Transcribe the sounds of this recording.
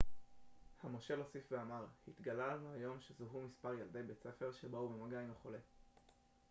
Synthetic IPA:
hamo̞ʃe̞lo̞sifveamaʁhit̪ɡalalanuhajo̞mʃezuɦumispaʁjald̪ejbet͡sefe̞ʁʃebaubemaɡaineχo̞le̞

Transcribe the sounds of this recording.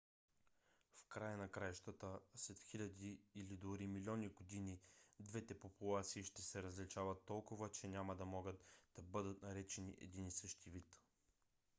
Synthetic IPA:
fkɾajənɐkɾajʃt̪ət̪əslɛt̪xilʲɐd̪iːlid̪oɾimilʲɔniɡod̪inid̪vɛt̪ɛpopulˠat̪siːʃt̪ɛsɛɾəzlit͡ʃavɐt̪ːɔlˠkʊvət͡ʃɛnʲamɐd̪ɐmɔɡət̪d̪̥ɐbɤd̪ət̪nɐɾɛt͡ʃɛnḭʔɛ̰d̪inisɤʃt̪ivit̪

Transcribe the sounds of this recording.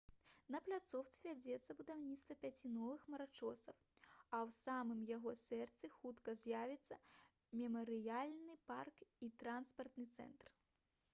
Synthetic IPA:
nɐplʲat̪sɔwt̪sɨvʲad͡zʲɛt̪sːɐbud̪awnʲit̪st̪vɐpʲat͡sʲinɔvɨxmɐɾat͡ʂɔsɐw | ɐwsamɨmjaɣɔsɛrt̪sɨxut̪kɐzʲjavʲit̪sːɐ | mʲɛmɐɾɨjalʲnɨparkit̪ɾanspɐrt̪nɨt̪sɛ̰nt̪r

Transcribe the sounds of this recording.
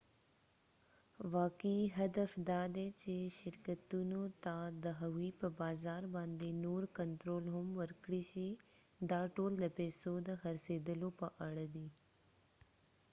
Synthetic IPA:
ʋaːkəiɦɐd̪əfd̪aːd̪eːt͡ʃeʃɪɾkət̪unũt̪aːd̪əɦəʋiːpəbaːzaːɾbãːnd̪iːnuːɾkənt̪ɾoːlɦʊmʋəɾkɽiːʃi | d̪aːʈoːld̪əpeːsoːd̪ɦɐɾseːd̪əloːpɐʔəɽəd̪iː

